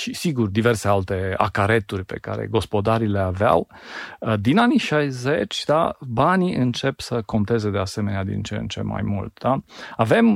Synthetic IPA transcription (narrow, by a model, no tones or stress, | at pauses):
ʃisiɡurd̪ive̞rsealt̪e̞a̰kaɾe̞t̪urʲpe̞̰ka̰ɾḛɡo̞spo̞d̪aɾile̞avea̰w | d̪inaniʃajze̞t͡ʃʲd̪abaniʔɨnt͡ʃe̞psəko̞nt̪e̞zed̪e̞aseme̞nead̪ḭnt͡ʃent͡ʃe̞̰mːa̰jmṵlt̪d̪aave̞m